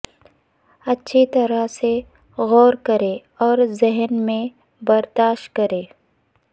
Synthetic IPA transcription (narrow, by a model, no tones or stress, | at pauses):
ɐtːʃʰit̪ɐɾase | ɣɔːɾkɐɾe | ɔːɾzɪɦnmẽ | bɐɾd̪aːʃtkɐɾẽː